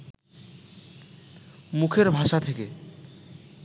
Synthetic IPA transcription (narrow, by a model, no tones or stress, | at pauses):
mukʰeɾbʱaʃat̪ʰeke